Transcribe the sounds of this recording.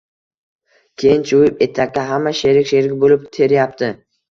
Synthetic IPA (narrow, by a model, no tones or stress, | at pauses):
kʲʰejɪnt͡ʃʰojɪpe̞t̪ʰakʲːaɦamːaʃe̞ɾɪkʲʃeɾɪɡʲɪbolɪpt̪ʰe̞ɾjap̚t̪ʰɪ